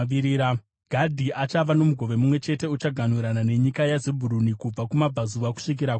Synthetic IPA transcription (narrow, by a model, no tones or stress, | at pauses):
iɾia | ɡ̥ʱadʱiʔat͡ʃaʋano̞muɡʱo̞ʋe̞mumwe̞t͡ʃe̞te̞ut͡ʃaɡʱanuɾanane̞ɲikajazebʱuɾunikub͡vakumab͡vazuʋaku̥ʂik̬iɾak